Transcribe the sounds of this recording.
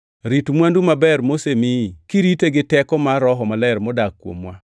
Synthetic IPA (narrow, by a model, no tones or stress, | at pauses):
ɾitmwandumabɛrmosemikiɾiteɡɪtɛkɔmaɾɔɦɔmalɛɾmɔdakːwo̰mwa